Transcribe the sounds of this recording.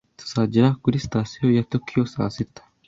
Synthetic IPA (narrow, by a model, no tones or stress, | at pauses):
t̪ɐ̥saːd͡ʒɪɾaːɡʊɾɪst̪aːsɪjoːjɐt̪ːɔkʰːɪjoːsa̰ːsɪt̪ːɐ̥